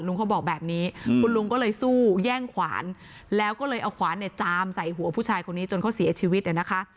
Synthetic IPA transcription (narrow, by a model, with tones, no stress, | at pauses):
lu˧ŋkʰa˦˥˩bɔː˨˩k̚bɛː˨˩p̚niː˦˥kʰu˧nlu˧ŋkɔː˥˩lɤː˧jsuː˥˩jɛː˥˩ŋkʰwa̰ː˩˦n | lɛː˦˥wkɔː˥˩lɤː˧jʔa˧wkʰwaː˩˦nːi˥˩ɐt͡ɕaː˧msa˨˩jɦu˨˩˦ɐpʰuː˥˩t͡ɕʰaː˧jkʰo˧nːiː˦˥t͡ɕo˧nkʰa˦˥˩si˩˦t͡ɕʰiː˧wi˦˥t̪ʔa˨˩na˦˥kʰa˦˥ʔ